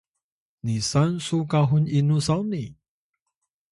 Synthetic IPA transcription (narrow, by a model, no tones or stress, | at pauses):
nisansukaɦuninusawni